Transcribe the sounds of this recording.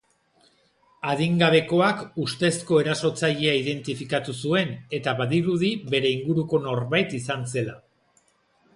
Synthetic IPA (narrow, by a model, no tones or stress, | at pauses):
aðiŋɡaβ̞e̞ko̞akust̪e̞sko̞e̞ɾaso̞t͡saʎeaiðe̞nt̪ifikat̪usue̞ne̞t̪aβaðiɾuð̞iβe̞ɾe̞iŋɡuɾuko̞no̞ɾβajt̪isanse̞la